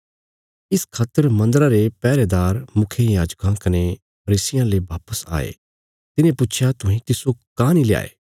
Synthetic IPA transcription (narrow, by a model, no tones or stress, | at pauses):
ɪskʰaːt̪ːəɾmɐ̃nd̪əɾaɾepɛːɾed̪aːɾmʊkʰjejaːd͡ʒkãkɐne | pʰɐɾiːsɪjãleʋaːpəsa̰ːḛː | t̪ɪnẽpʊt͡ʃʰjat̪ʊɦĩkisokaːnilja̰ːḛː